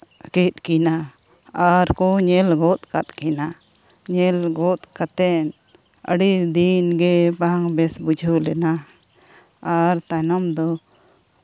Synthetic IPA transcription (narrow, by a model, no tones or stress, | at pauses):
kɛt̪̚ˀkɛna | aɾkɔɲɛlɡɔt̪̚kat̪̚kɛna | ɲɛlɡɔt̪̚kat̪ɛn | ə̰ɽid̪inɡɛbaŋbɛsbud͡ʒʱəwlɛna | aɾt̪anamd̪ɔ